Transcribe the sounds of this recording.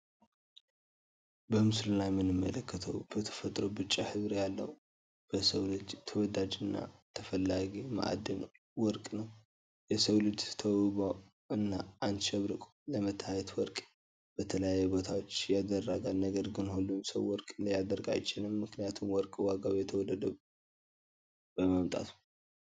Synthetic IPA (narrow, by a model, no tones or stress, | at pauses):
bəmɨslulajmɨnɨmːələkʰːət̪ʰəwb̥ət̪ʰə̥fət̪ʼɾowbɨt͡ʃʼːahɨβɾjalːə̰w | b̥əsəwlɨd͡ʒt̪ʰəwɔd̪ad͡ʒɨnːa̰t̪ʰəfəlːaɡima̰ʔa̰d̪ən | wɔɾkʼnəw | jɛsəwlɨd͡ʒt̪ʰəwɨba | ɨnːaanʃɛβɾɨkʼ | ləmət̪ʰːajɛt̪wɔɾkʼ | b̥ət̪ʰələjajːɛbo̞t̪ʰawot͡ʃːjad̪ərːaɡalnəɡəɾɡɨnhulːumsə̰wːɔɾkʼɨnd̪əjad̪əɾɡa̰jt͡ʃːɪnɨmːɨknijat̪ʰumwɔɾkʼwaɡawjɛt̪ʰəwɔlːəd̪ə | b̥əməmt̪ʼa̰t̪u̥